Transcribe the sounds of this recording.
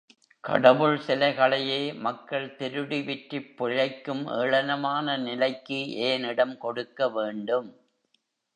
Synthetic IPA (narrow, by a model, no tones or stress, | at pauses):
kɐ̰ɽɐʋɯɭsɪlɐɪɣɐɭɐjeːmɐkːɐɭt̪ɛɾɯɽiʋɪʈɾɪpːʊɻɐɪkːɯmʔeːɻɐnɐmaːnɐnɪlɐɪkːɯʔeːnɪɽɐmkɔɽɯkːɐʋeːɳɖɯm